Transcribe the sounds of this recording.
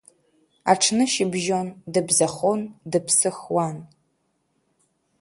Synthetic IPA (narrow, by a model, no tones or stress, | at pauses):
a̰ʈ͡ʂʰnɨʃɪbʒondɨbzɐχondɨpʰsɨxwan